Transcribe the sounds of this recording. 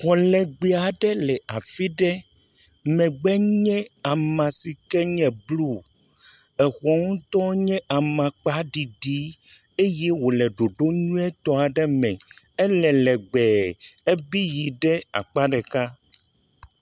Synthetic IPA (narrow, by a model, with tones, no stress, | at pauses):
xɔ˨lɛ˨ɡ͡be˨a˨ɖɛ˦lɛ˨ʔa˨fi˦ɖɛ˦ | mɛ̃˨ɡ͡bɛ˦ɲɛ̃˦a˨mã˨si˨kɛ˦ɲɛ̃˨blu˦ | ɛ˨xɔ˦ŋũ˦t̪ɔ˦ɲɛ̃˦ʔa˨mã˨k͡pa˦ɖi˨ɖi˦ | e˦jɛ˦wo˨lɛ˨ɖo˨ɖo˦ɲũ˦ɛ˦t̪ɔ˦a˨ɖɛ˦mɛ̃˨ | ɛ˦lɛ˨lɛ˨ɡ͡bɛ˨ɛ˦bi˦ji˨ɖɛ˦a̰˨k͡pa˦ɖɛ˨ka˦